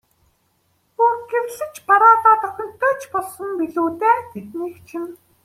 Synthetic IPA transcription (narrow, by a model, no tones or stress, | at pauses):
uɡewɮɘ̆t͡ɕpaɾaːt̪aːt̪ɔ̆χʲɵ̆n̥t̪ʰːʊːt͡ɕpɔɮsɞ̆mpiɮuːt̪æːt̪et̪niːkt͡ɕʰim